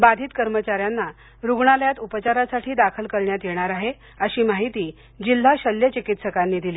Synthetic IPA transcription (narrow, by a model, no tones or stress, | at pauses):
bad̪ʱiːt̪kəɾmət͡ɕaɾjanːa | ɾuɡɳaləjat̪upət͡ɕaɾasaʈʰiːd̪akʰəlkəɭɳjat̪jeɽ̃aɾaɦe | əɕiːmaɦit̪iː | d͡ʑil̤ːaɕəljət͡ɕikit̪səkanːiːd̪iliː